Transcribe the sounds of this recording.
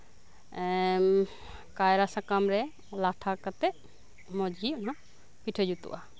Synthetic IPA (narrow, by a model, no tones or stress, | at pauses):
kajɾasakamɾɛ | laʈʰakat̪ɛ | mɔd͡ʒɡiɔna | piʈʰəd͡ʒut̪ṵʔa